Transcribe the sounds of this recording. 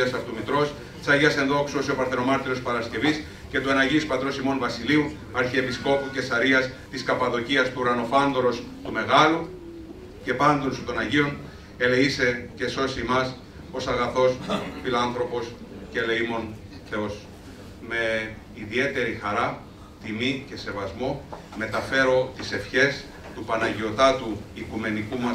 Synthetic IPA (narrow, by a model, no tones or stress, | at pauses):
ɐsɐft̪umit̪ɾo̞s | t͡sɐʝɐse̞nðo̞ksuosio̞pɐɾθeɾo̞mɐɾt̪iɾo̞spɐɾɐsce̞vis | ce̞t̪ue̞nɐʝispɐt̪ɾo̞simo̞nvɐsiliu | ɐɾçie̞pisko̞puce̞sɐɾiɐst̪iskɐpɐðo̞ciɐst̪uːɾɐno̞fɐnd̪oɾo̞s | t̪ume̞ɣɐlu | ce̞pɐnd̪onst̪o̞nɐʝio̞n | e̞leise̞ce̞so̞simɐs | o̞sɐɣɐθo̞sfilɐnθɾo̞po̞scele̞imo̞n | θe̞o̞s | me̞ | iðie̞t̪e̞ɾixɐɾɐ | t̪imice̞se̞vɐzmo̞ | me̞t̪ɐfe̞ɾo̞t̪ise̞fçe̞s | t̪upɐnɐʝio̞t̪ɐt̪uikume̞nikumɐ